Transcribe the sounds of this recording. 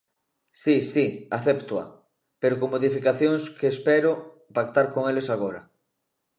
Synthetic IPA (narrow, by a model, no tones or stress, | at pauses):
sisiaθept̪wa̰ | peɾokoŋmoðifikaθjoŋskeːspɛɾo | pakt̪aɾkoŋelesaɣ̞oɾa̰